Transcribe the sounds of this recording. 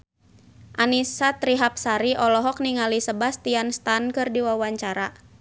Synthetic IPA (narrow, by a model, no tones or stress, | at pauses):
ʔanisat̪ɾiɦap̚saɾiʔɔlɔɦɔk̚niŋalisəbast̪ianst̪ankɨrdiwawaɲt͡ʃaɾa